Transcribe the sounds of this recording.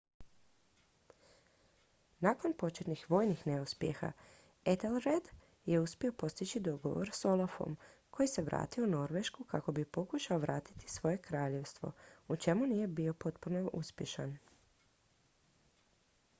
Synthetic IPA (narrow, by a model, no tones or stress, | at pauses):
nako̞npo̞t͡ʃet̪nixʋo̞ːjnixne̞uspjexa̰ | et̪elɾed̪ | jeuspio̞po̞st̪it͡ɕid̪o̞ɡo̞̰ʋo̰ɾso̞lˠafo̞̰mkʰo̞jise̞ʋɾa̰ːt̪iono̞ɾʋe̞ʃkukako̞bipo̞kuʃaoʋɾaːt̪i̥t̪i̥sʋo̞je̞kɾaːʎe̞ʋst̪ʋo̞̰ut͡ʃe̞munije̞bio̞po̞t̪puno̞ṵspje̞ʃan